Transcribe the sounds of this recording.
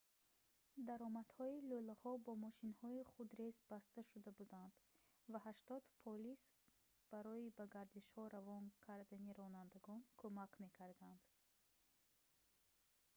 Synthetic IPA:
d̪aɾɔmad̪̥hɔilulahɔbɔmɔʃinhɔiχud̪ɾezbast̪aʃud̪abud̪and̪̥ | vaɦaʃt̪ɔd̪pʰɔlis | b̥aɾɔibaɡaɾd̪iʃhɔɾavɔnkʰaɾd̪aniɾɔnand̪aɡɔnkʰomakme̞kʰaɾd̪and̪̥

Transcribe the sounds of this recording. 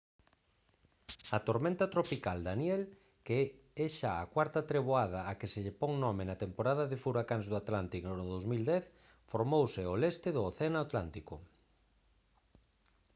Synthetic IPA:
ɐt̪oɾmẽnt̪at̪ɾopikald̪anjɛl | keɛ | eʃaːkwaɾt̪at̪ɾeβoað̞ɐːkɪseʎepɔŋnɔmɪnat̪empoɾað̞aðɪfuɾakaŋzðʊat̪lant̪ikonoðowzmild̪ɛθ | foɾmowsɪolest̪ɪðʊːθenaat̪lant̪iko

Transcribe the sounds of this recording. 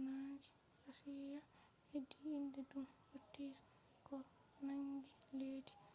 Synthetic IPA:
naːd͡ʒi | hasija | hedːiːndɛdumhotːija | kɔ | naŋɡileːdi̥

